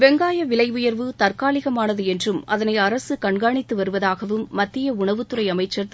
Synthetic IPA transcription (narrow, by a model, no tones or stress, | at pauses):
ʋɛŋɡaːjɐʋɪlɐɪʋʊjɐɾʋɯt̪ɐrkaːlɪɣɐmaːnɐðɯɛndrɯmɐðɐnɐɪɐɾɐsɯkɐɳɡaːɳɪt̪ːɯʋɐɾɯʋɐðaːɣɐʋɯmːɐt̪ːɪjɐʊɳɐʋɯt̪ːɯrɐɪɐmɐɪt͡ʃːɐɾð